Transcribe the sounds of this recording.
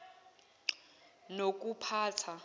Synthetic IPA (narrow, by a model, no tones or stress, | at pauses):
nok̬ʼupʰaːtʰa